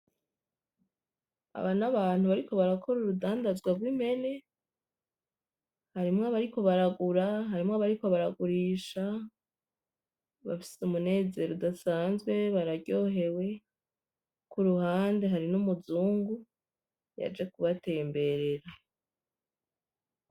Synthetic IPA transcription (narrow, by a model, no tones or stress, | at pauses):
a̰βanaβaːn̥huβaɾiko̞βaɾakʰo̞ɾuɾudaːndazɡwaɡwim̥he̞ne̞ | haɾimŋaβaɾiko̞βaɾaɡuɾaɦaɾimŋaβaɾiko̞βaɾaɡuɾiːʃa | βa̰fi̥seumune̞ːze̞ːɾodasaːnzɡwe̞βaɾaɟo̞ːɦe̞we̞ | kuɾuhaːnde̞ɦaɾinumuzuːŋɡu | ja̰d͡ʒe̞kuβate̞ːmbe̞ɾeɾa